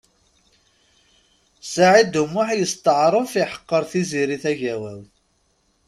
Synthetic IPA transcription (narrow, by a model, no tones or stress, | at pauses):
saʕid̪umːʊħjəst̪əʕɾˤəfiħə̥qːəɾˤθiziɾiθæʝæwæw